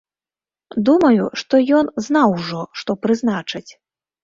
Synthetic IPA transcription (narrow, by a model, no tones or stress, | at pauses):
d̪umɐjuʂt̪ɔjɔnznawʐɔʂt̪ɔpɾɨznat͡ʂɐt͡sʲ